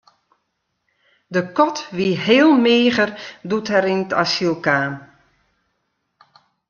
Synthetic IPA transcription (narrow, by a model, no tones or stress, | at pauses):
dəkɔtʋiɦeːlˠmeːɣərduthɛɾintʰa̰silˠkaːm